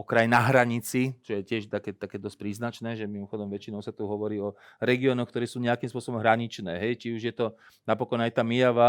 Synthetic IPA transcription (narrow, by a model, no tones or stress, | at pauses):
ɔkɾajnaɦɾaɲit͡sit͡ʃɔjɛcɪɛʒt̪akɛːt̪akɛːd̪ɔsc̚pɾiːznat͡ʃnɛːʒɛmimɔxɔd̪ɔmʋɛt͡ʃinɔʊsat̪uɦɔʋɔɾiːɔ | ɾɛɡiɔːnɔxkt̪ɔɾɛːsuːɲɛakimspʊɔsɔbɔmɦɾaɲit͡ʃnɛːɦɛjt͡ʃiuʒjɛt̪ɔ | napɔkɔnajt̪aːmijaʋa